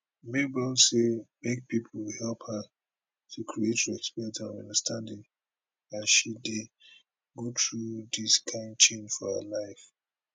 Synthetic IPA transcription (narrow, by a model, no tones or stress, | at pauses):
mebɛlsemek̚pipʰlwhɛlˠphə | tʰukʰɹietjuɛkspiɹĩtãnɔ̃nʌ̰̃ndəstʰãndɪ̃ŋ | ãnʃide | ɡotɹud̪iskʰãɪ̃nd̚t͡ʃẽnd͡ʒfɔhə̰laɪf